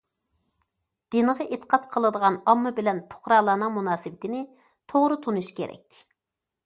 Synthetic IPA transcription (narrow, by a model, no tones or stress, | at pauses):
d̪̥inɨʁəʔet̪ʰə̥qʰɑt̪qʰəlˠɨd̪əʁɑnɑmːɨbɪlɛnpʰʊ̥χɾɑːlˠɑːnɨŋmunɑːsɨwɪt̪ɪnɪ | t̪ʰoʁɾɨt̪ʰunuʃkʲʰḛɾɛ̰kʲ